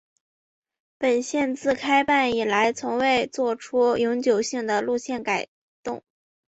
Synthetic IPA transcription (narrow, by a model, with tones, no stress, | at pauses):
pə˨˩nɕjɛ˥˧nt͡sɹ̩˥˧kʰa˥ɪpa˥˩ni˨˩la˧˥ɪt͡sʰʊ˧˥ŋwe˥˧ɪt͡swɔ˥˩ʈ͡ʂʰu˥jʊ˧˥ŋt͡ɕjo˨˩ʊɕi˥˩ŋd̪ə˩lu˥˧ɕjɛ˥˩nka˨˩ɪ | t̪ʊ̰˥˩ŋ